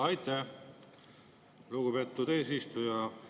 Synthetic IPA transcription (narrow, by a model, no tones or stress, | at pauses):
ɑjt̪ˑːe | luɡupe̞t̪ːud̪̥e̞ːsist̪ujɑ